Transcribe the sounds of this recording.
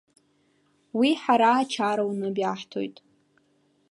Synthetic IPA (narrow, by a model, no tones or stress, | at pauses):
wiħaɾaːt͡ʃʰaɾawnɨbjaħtʰo̰jtʼ